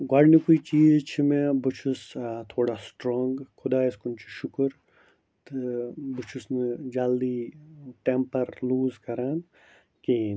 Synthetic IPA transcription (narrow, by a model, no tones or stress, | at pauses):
ɡɐɽnikuit͡ʃiːzt͡ʃʰimẽbʊt͡ʃʰust̪ʰoːɽasʈɾoːŋɡkʰʊd̪aːiskʊnt͡ʃʰi̥ʃʊkɾ | t̪ɨbʊt͡ʃʰusnɨd͡ʒaːld̪iːʈempɐɾluːzkɐɾaːn | ki